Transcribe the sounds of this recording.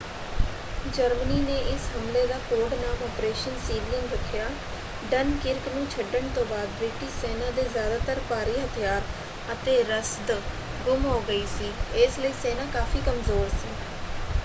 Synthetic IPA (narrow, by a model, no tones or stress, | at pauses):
d͡ʒəɾməniːneːʔɪsɦəmleːd̪aːkoːɽnaːmɔːpɾeːʃənsiːblɪ̃ŋɡd̪əkʰːjaː | ɖənkɪɾknũːt͡ʃʰəɖːəɳt̪õːbaːd̪̚bɾɪːʈɪʃsɛːnãːd̪eːzjaːd̪aːt̪əɾpaːɾiːɦət̪ʰɪjaːɾ | ət̪eːɾəsd̪ | ɡʊmɦoːɡəiːsiːɪːsləiːsɛːnaːkaːfʰiːkəmzoːɾsiː